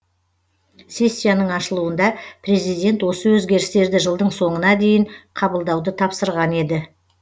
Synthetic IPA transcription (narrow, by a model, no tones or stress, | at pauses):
se̞sʲːijanəɴɑʃəlˠuənd̪ɑpʰre̞zijd̪ʲe̞nt̪wo̞səwɵzɡʲe̞ɾɪst̪e̞ɾd̪ɪʒəlˠd̪əɴso̞ɴənɑd̪e̞jɪɴqʰɑbəlˠd̪ɑwd̪ət̪ʰɑpsəɾʁɑne̞d̪ɪ